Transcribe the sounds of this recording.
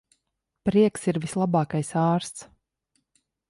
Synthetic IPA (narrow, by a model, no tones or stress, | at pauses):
pɾiɛksiɾvislˠabɑːkajsɑːɾst̪s